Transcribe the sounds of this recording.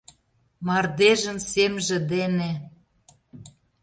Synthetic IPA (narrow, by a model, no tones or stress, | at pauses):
mɑrd̪eʒə̆nsemʒĕd̪ene